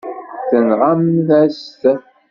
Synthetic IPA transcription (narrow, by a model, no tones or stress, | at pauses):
θənʁamðæst̪